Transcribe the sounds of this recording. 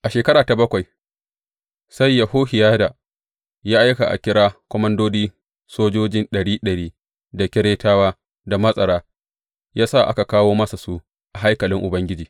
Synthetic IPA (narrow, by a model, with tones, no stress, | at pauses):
ʔa˨ʃeː˨kɐ˦ɾaː˨ta˨bɐ˦kʷa˨j | sa˦˨jːa˨hoː˦hɪ˨jaː˦daː˨ | jaː˦ʔa˦jka˨ʔa̰˨kʲɪ˦ɽaː˦kʷɔ˦mɐ˦ndoː˦diː˦ | soː˦d͡ʒoː˦d͡ʒɪ˦nɗɐ˨ɽiː˦ɗɐ˨ɽiː˦ | da˨kʲɪ˦ɾeː˦taː˦waː˦ | da˨mɐ˦sʼɐ˨ɽaː˦ | jaː˦sa˦˨ʔa̰˦ka˨kaː˦woː˦mɐ˦sa˨su˦ | ʔa˨ɦa˦jkɐ˨lɪ˦ŋʔʊ˨bɐ˦ŋɡʲɪ˦d͡ʒiː˨